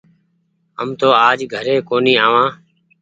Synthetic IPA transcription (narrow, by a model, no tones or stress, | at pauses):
ə̰mt̪oːaːd͡ʒɡʱəɾeːkoːniːaːʋãː